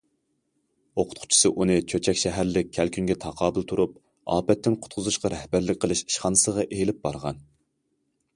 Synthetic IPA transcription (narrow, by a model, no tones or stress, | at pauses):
oqʰʊ̥t̪qʰʊ̥t͡ʃʰi̥sɨʔunɨt͡ʃʰøt͡ʃʰɛkʲʃɛɦæɾlɪk̚ʲʰːælkʲʰyŋɡʲɛt̪ʰɑqʰɑːbɨlˠt̪ʰuɾup̚ | ɑ̰ːpɛt̪ːɪnqʰʊ̥t̪̚qʰʊzuʃqɑɾɛhbæɾlɪk̚ʲqʰəlˠɨʃi̥ʃχɑnɨsəʁɑʔelɪp̚bɑɾʁɑn